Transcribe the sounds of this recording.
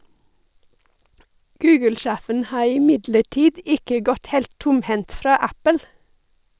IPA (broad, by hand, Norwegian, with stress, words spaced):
ˈɡʉːɡəlˌʃæːfən ˈhɑː ɪˈmɪdləˌʈiːd ˈɪkə ˈɡɔt ˈhɛlt ˈtʊmˌhɛnt ˈfɾɑː ˈæpəl